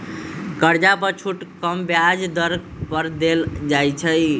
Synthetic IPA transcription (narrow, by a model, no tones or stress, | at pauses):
kəɾd͡ʒapəɾt͡ʃʰuʈkəmbjad͡ʒd̪əɾɡ̚ | pəɾd̪eld͡ʒajt͡ʃʰəj